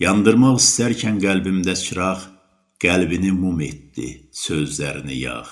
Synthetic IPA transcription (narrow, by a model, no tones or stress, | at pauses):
jɑnd̪ɯɾmɑʁist̪æɾcʰænɡælbimd̪æsʰɯɾɑχ | ɡ̥ælbinimumet̪ːḭsøzlæɾinḭjɑ̰χ